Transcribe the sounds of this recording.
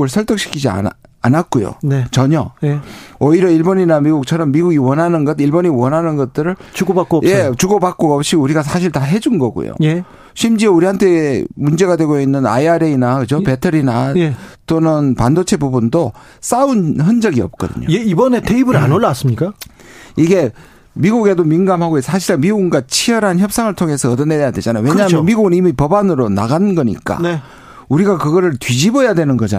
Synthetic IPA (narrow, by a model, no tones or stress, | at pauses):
ɯɭsʰʌɭt͈ʌk̚ɕ͈ʰi̥kʰid͡ʑia̰anat̚k͈ojo̰net͡ɕʌɲʌjeʌiɾjʌiɭboɲinamiɡuk̚t͡ɕʰʌɾʌmːiɡuɡiwʌnɦanɯnɡʌdiɭboɲiwʌnɦanɯnɡʌt̚t͈ɯɾɯɭt͡ɕuɡobakk͈oʌje̞t͡ɕuɡobak͈oʌp̚ɕ͈iuɾiɡas̬ʰaɕʰiɭtaɦe̞d͡ʑunɡʌɡo̰jo̰je | ɕʰimd͡ʑiuɾiɦantʰe̞mund͡ʑe̞ɣadwe̞ɡoinːɯna̰iaɾeinakɯd͡ʑopetʰɯɾinat͈onɯnpandot͡ɕʰe̞bubundo | s͈aunçʌnd͡ʑʌɡiʌp̚k͈ʌ̰dɯ̰ɲo̰jeibʌne̞tʰeibɯɾanoɭːas͈ɯmɲik͈aiɡe̞ | miɡuɡe̞dominɡamhaɡoessʰaɕʰiɾamiɡuɡɯnɡat͡ɕʰijʌɾɦançjʌp̚s͈aŋɯɭtʰoŋe̞sʰʌːdʌnejadwe̞d͡ʑanajoweɲaɦamjʌnmiɡuɡɯnimipʌbanɯɾona̰ɡanɯnɡʌɲḭk͈a̰ne | uɾiɡakɯɡʌɾɯɭtɥid͡ʑibʌjadwe̞nɯnɡʌd͡ʑa̰n